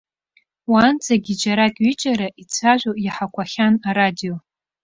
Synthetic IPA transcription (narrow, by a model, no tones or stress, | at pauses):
waːnt͡sʰʼaɡʲid͡ʒaɾakʲʼɥit͡ʃʼaɾaʔit͡sʷʰaʒʷojaħakʷʰaχʲanaɾadijo